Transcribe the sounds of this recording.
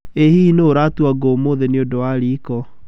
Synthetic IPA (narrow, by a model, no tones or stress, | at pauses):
ehinoːɾatuaɡomoðeneodowaɾikɔ